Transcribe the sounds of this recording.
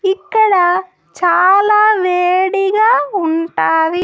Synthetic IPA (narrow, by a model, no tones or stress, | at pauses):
ikːɐɽɐ | t͡ʃaːlaːʋeːɽiɡaːuɳʈaːd̪i